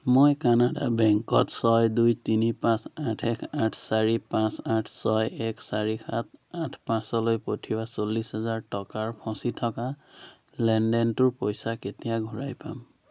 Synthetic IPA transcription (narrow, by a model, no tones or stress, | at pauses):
mojkanada̰bɛŋkɔtsɔjdujtinipãsatʰɛkʰatʰsaɹipãsatʰsɔjɛksaɹixʰatatʰpãsɔlojpotʰibasolːisɦɛzaɹtɔkaɹpʰɔ̃sitʰɔka | lɛndɛntʊɹpojsaketijaɡʱuɹajpa̰m